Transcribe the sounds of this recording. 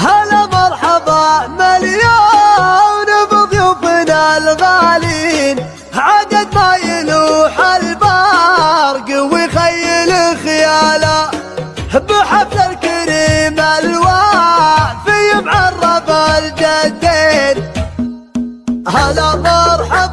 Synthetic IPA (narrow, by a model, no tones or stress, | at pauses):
halamɑɾˤħɑðˤɑmalja | wnɪbɨðˤjufɪnalɣalin | hʕad̪ad̪̚majɪluħalba | ɾˤɡɪwixajːɪluxjaːla | hbəħafsalkɪɾimalwa | bijɪmʕɑrˤːɑbald͡ʒad̪ːen | halamɑɾˤħɑˤ